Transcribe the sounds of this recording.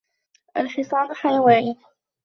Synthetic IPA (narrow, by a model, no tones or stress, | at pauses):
ʔa̰lħɪsˤɑːlħajawaːni